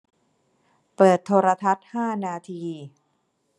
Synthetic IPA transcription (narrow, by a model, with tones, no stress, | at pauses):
pɤː˨˩t̪ʰːoː˧ɾa˧t̪ʰa˦˥t̪̚haː˥˩naː˧t̪ʰiː˧